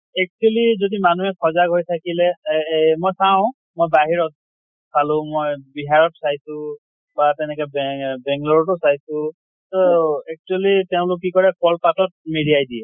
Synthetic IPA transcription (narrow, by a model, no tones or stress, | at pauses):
ɛk̚t͡ʃuɛlizodimanuɛkʰɔzaɡɦojtʰakilɛmojsawʊ̃ | mojbaɦiɹɔt̚ | sʰalʊ̃mojbiɦaɹɔt̚sajsʊ̃ | batɛnɛkɛbbɛŋɡlɔɹɔtɔsajsʊ̃ | tɔɛk̚t͡ʃuɛliteʊ̃lʊkːikɔɹɛkɔlpatɔt̚midiajdiɛ